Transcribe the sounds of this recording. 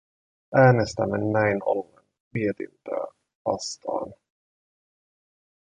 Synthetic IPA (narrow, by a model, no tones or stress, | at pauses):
ʔæːnest̪æmːænːæjno̰lːen | miet̪ḭnt̪ø̰ː | ʋɑ̰st̪ɑ̰ːn